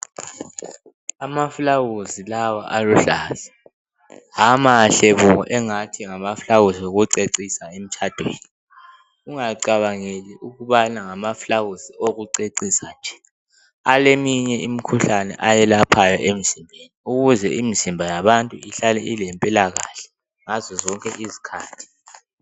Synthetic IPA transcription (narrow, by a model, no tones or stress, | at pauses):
amafulawuzilawaʔaluɬaːzɛ | ɦamaːɬeβuɔʔɛŋatʰiŋamafuɬawuzioɣuǀeǀisaem̩t͡ʃʰad̥ʱweːni | ɣuŋaǀaβaŋeliʔuɣuβanaŋamaflaɣuzioɣuǀeǀisand͡ʒʱɛ̥ | alemiɲɛimikʰuɬanɛ̰ʔajɛlapʰajɔʔem̩zimbʱeniuɣuzɛimizimbʱajaβantʼuiɬalɛʔilempʼilaɣaɬɛ̥ | ŋazɔzɔŋkʼɛʔizi̥kʰaːtʰi̥